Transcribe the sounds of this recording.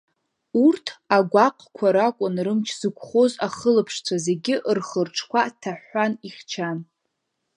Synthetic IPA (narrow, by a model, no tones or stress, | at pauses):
urtʰaɡʷaqʼʰkʷʰaɾakʷʼʊnrɨmt͡ʃʰz̥ɨkʷʰʼχozaχəlɨpʰʂt͡sʷʰaze̞ɡʲɪʔrχərʈ͡ʂʰkʷʰatʰaħaniχʲt͡ʃʰan